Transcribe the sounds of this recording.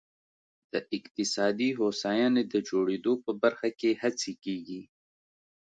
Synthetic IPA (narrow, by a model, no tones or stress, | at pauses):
d̪̥əʔɪqt̪ɪsɑd̪iɦosajɑned̪əd͡ʒoɽed̪opəbaɾxakehat͡sikeɡi